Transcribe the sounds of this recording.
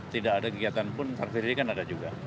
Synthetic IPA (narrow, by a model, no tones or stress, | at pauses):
t̪idaʔːdakəɡiat̪anpʊnt̪ərfiɾsikanadad͡ʒuɡa